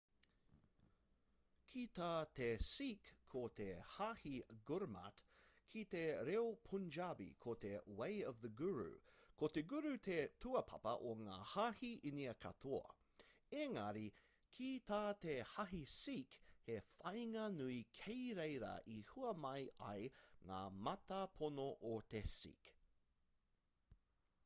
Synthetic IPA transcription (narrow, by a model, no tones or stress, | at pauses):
kʰit̪ʰaːtesikʰːot̪ehahiɡuɾma̰tkʰit̪eɾeopʰund͡ʒabḭkʰot̪ʰewejʌvðəɡuɹʉ̰kʰot̪eɡuɾʉt̪ʰetʰuɐpʰɐ̰pɐ̰ʔoŋa̰ːhahiʔiniɐkʰɐ̰t̪ʰoɐ̰ | eŋɐɾi | kʰit̪ʰaːt̪ehɐɦisikhefɐjŋɐnuikʰejɾejɾɐ̰ʔihuɐmɐjʔɐ̰jŋa̰ːmɐtɐpʰonoʔot̪esḭk